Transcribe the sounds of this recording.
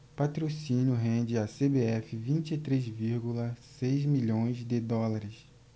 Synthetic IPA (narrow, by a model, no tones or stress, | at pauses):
pat̪ɾosĩnjʊɦẽnd͡ʒɪasebeɛfɪvĩt͡ʃit̪ɾezviɾɡulɐsejzmiʎõj̃zd̪ɪd̪ɔlaɾɪs